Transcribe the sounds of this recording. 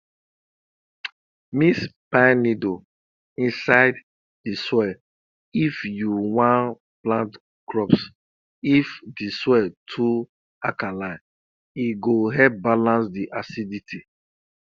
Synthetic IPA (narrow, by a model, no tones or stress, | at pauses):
mispanido | ĩnsaɪd | diswɛ | ifjuwãn | plãnt | kɹɔps | ifdiswɛtʰu | akalãɪ̃n | iɡoɦɛp̚balãnsdiʔasiditʰi